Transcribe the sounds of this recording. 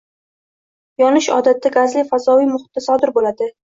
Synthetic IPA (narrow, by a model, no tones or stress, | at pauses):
jɒnɪʃɒ̰d̪at̪d̪aɡazlɪfazɒijmʊχɪt̪̚ːasɒd̪ɪɾbolad̪ɪ